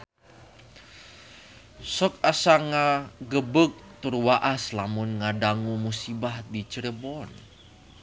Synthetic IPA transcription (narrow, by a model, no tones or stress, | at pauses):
sɔk̚asaŋaɡəbək̚t̪urwaʔaslamʊnŋadaŋumusibahdit͡ʃəɾəbɔn